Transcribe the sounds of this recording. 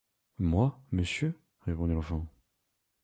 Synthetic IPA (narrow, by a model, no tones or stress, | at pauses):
mwaməsjø | ʁepɔ̃d̪ilɑ̃fɑ̃